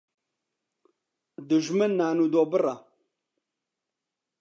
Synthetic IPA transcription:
dəʒmənːanudobəra

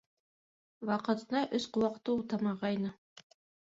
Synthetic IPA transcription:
wɑqɤ̆t̪ɤnɑʔɵsquwɑqt̪uut̪ɑmɑʁɑjnɤ

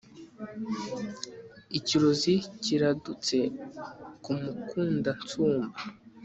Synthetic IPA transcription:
iciɾo̞ziciɾadut͡se̞ | kumukʰuːndant͡suːmba

